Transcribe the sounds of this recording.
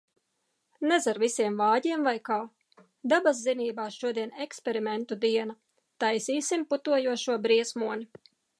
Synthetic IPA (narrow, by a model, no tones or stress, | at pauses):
nɛzaɾvisiɛmvɑːɟiɛmvajkaː | d̪abasziniːbaːʃuɔd̪iɛnekspʲɛɾimɛnt̪ud̪iɛnɐ | t̪ajsiːsimput̪uɔjuɔʃuɔbɾiɛsmuɔni